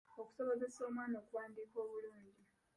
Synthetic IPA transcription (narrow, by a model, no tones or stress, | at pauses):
oku̥so̞βoze̞so̞ːmwaːnoːkuwaːndiːko̞ːβuluːɲɟi